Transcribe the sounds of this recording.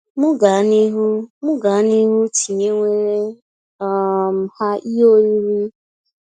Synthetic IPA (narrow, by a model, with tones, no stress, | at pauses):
mʊ˦ɡa˨˦ni˦ɦu˦mʊ˦ɡa˨˦ni˦ɦu˦ti˨ɲe˦ŋʷe˦ɾe˦ | m̩˨ha˦ʔi˦o˦i˦ɾi˦